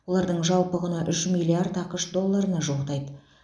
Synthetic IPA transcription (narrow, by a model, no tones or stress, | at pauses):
wo̞lˠɑɾd̪əɴʒɑlˠpəʁənɑʔʏʃmijliard̪ɑqəʃd̪o̞lˠːaɾənɑʒolˠt̪ɑjd̪ə